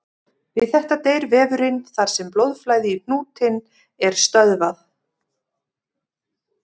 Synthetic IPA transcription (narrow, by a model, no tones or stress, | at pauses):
vɪðθɛht̪at̪eːjɾvɛːvʏɾɪnθaɾ̥sɛmplowðflajðɪipnuːt̪ʰɪn | ɛɾ̥st̪œðvaθ